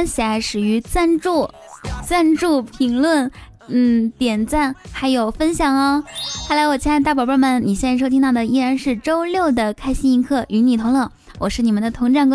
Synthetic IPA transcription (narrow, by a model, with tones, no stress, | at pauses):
ɕɛ˨˩a˧˥ɪʂɻ̩˨˩y˧˥t͡sa˥˧nʈ͡ʂu˥˩ | t͡sa˥˧nʈ͡ʂu˥˩pʰi˧˥ŋlwə˥˩n | n̩˥˩t̪jɛ˨˩nt͡sa˥˩nxa˧˥ɪjo˨˩ʊfə˥nɕjɑ˨˩ŋɐ˧˥xa˥˩la˧˥ɪwɔ˨˩t͡ɕjna˥˧ɪt̪a˥˩jɔ˨˩pə˥˧˩mə˩nni˨˩ɕjɛ˥nɻʂo˥ʊi˥t̪ɑ˥˩ʊd̪ə˩i˥ɻa˧˥nʂɻ̩˥˩ʈ͡ʂo˥ʊljo˥˩ʊd̪ə˩kʰa˥ɪɕi˥ni˧˥ŋkʰɤ˥˩ʔy˧˥ni˨˩t̪ʰʊ˧˥ŋlɤ˧˩˦ | wʔɔ˨˩ʂɻ̩˥˩i˨˩mə˦nd̪ə˧t̪ʰʊ˧˥ŋʈ͡ʂa˥˧nŋk